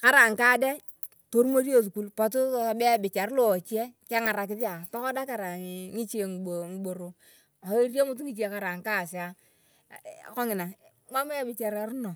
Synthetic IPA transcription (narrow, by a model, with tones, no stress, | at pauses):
ka˦ɾa˨ŋ˨kaː˦dɛ˦ | to˦ɾmo˦ɾjo˦su˨ku˦˨lpa˨tu˦a˨bɛ˦bɪ˨t͡ʃa˨ɾlo˨t͡ʃi˦ɛ˦ka˦ŋa˨ɾa˨k̬ɪ˦tɪ˦a˨tɔ˦kɔ˦da˦ka˨ɾa˨ŋɪ˦t͡ʃe˨ŋ˨o˨ŋ˨bo˨ɾo˨ | a˨˦rjo˦mʊ˦t̬u˦ŋi˨t͡ʃi˦e˨ka˦ɾa˨ŋka˦˨sɪ˨a˦˨ | kɔ˦ŋɪ˨na˨ | mʷa˦ma˦a˦bɪ˨t͡ʃa˨ɾa˨ɾnɔ˨